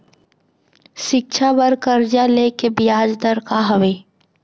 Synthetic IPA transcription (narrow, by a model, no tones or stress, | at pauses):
ʃɪk̚ʃʰabəɾkəɾd͡ʒaleːkebɪjaːd͡ʒd̪əɾkaɦɐʋeː